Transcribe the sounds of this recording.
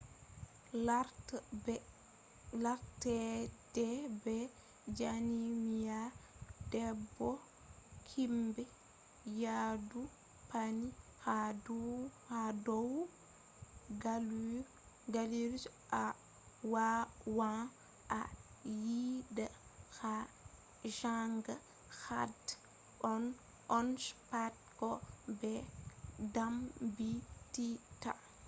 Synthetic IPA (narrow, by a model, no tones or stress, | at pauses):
laɾtɛdɛbɛ | d͡ʒanimijadɛbːɔ | kʰimbɛ | jadu | pʰani | had | hadɔw | ɡal | ɡaliɾ | ʔa | wawa | ʔa | jida | xa | ʒaŋɡa | xad | ɔn | ɔnspat̚kɔbɛ | dambitita